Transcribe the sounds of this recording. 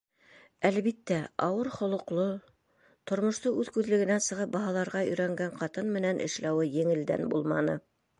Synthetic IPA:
ælβit̪ːæɑwɤɾχŏlˠŏqlˠo | t̪ŏɾmŏʃt̪ɤʉðkʉðlɘ̆ɡɘ̆nænsɤ̆ʁɤp̚bɑɦɑlˠɑɾʁɑɵ̆jɾæŋɡæɴqɑt̪ɤnmɘ̆nænʔɘ̰̆ʃlæwɘjɘ̆ŋɘ̆ld̪æ̰nbṵlˠmɑnɤ

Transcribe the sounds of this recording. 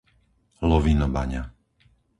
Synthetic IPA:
lɔʋinɔba̰ɲa̰

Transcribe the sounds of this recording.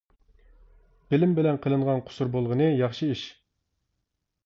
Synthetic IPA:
b̥ɪlɪmbɪlɛnqʰəlˠɨɴʁɑnqʰʊ̥suɾbolˠʁənɨjɑχʃɨiʃ

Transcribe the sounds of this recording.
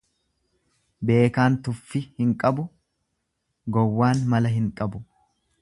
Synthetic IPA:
be̞ːkaːnt̪ʊfːɪhɪŋkʼɐbʊ | ɡɔwːaːnmɐlɐɦɪŋkʼɐbʊ

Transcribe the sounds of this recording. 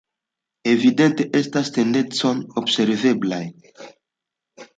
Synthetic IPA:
evidenteʔestastendent͡sonobseɾveblaj

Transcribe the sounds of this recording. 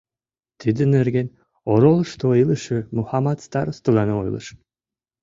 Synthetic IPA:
t̪id̪ɘ̆nerɡen | oɾolˠʃt̪oilˠəʃɯmuhɑmɑt̪st̪ɑɾost̪ɨlɑnɤojlɤ̰ʃ

